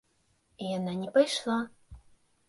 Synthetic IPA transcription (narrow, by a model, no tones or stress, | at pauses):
ijanɑnʲɛpajʃlˠa